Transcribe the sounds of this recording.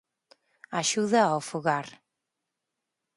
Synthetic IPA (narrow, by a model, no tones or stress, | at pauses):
aʃuðaawfuɣaɾ